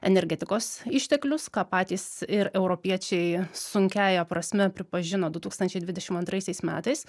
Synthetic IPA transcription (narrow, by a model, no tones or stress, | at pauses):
ɛnʲɛɾʲɡʲɛt̪ʲɪkoːsɪʃʲt̪ʲɛklʲʊskɑːpɑːt̪ʲiːsɪɾɛʊɾoːpʲiɛt͡ʃʲɛɪsʊŋʲkʲæːjɛpɾɐsʲmʲɛpʲɾʲɪpɐʒʲɪnoːd̪ʊt̪uːkst̪ɐnʲt͡ʃʲɛɪd̪ʋʲɪd̪ʲɛʃʲɪmɐnt̪ɾɐɪsʲɛɪsmʲæ̰ːt̪ɐɪs